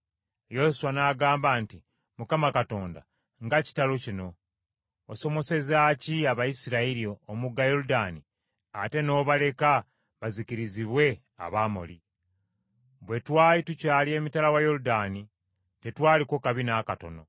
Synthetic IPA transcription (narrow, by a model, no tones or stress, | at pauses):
jesuwanaːɡaːmbaːnti | mukamakato̞ːnda̰ | ŋɡaci̥talocino̞ː | so̞mo̞se̞zaːciaβajisiɾaiɾioːmuɡajo̞ɾudaːni | ate̞no̞ːβale̞ka | βaziciɾiziβwe̞ | a̰βaːmo̞̰li | βwe̞twaːlitucaːlie̞ːmitalawajo̞ɾudani | te̞twaːliko̞kaβinakato̞no̞̰